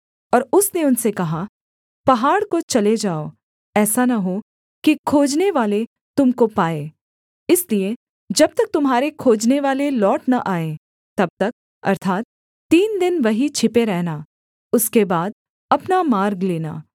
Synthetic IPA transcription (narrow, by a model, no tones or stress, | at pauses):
ɔːɾʊsneʊnsekɐɦa | pɐɦaːɽkot͡ʃɐled͡ʒaːoː | ɛːsanɐɦo | kikʰoːd͡ʒneʋaːle | t̪ʊmkopaːeː | ɪslie | d͡ʒɐb̚t̪ɐk̚t̪ʊmɦaːɾekʰoːd͡ʒneʋaːlelɔːʈnɐʔaːẽ | t̪ɐb̚t̪ɐk̚ | ɐ̰ɾt̪ʰaːt̪̚ː | iːnd̪ɪnʋɐɦit͡ʃʰɪpeɾɛɦna | ʊskebaːd̪̚ | ɐpnamaːɾɡleːna̰ː